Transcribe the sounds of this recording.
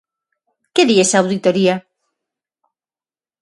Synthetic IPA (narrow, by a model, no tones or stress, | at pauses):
keðiesaːwðit̪oɾia